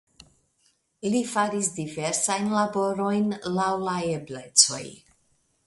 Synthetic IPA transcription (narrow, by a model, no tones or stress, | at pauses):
ilifaɾisd̪iveɾsajnlaboɾojnlawlajeblet͡so̰j